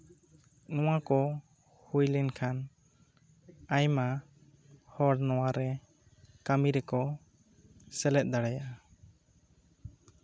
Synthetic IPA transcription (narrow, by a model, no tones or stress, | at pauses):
nɔwakɔ | hujlɛnkʰan | ajma | hɔɽnɔwaɾɛ | kamiɾɛkɔ | sɛlɛt̪̚ˀd̪aɽaja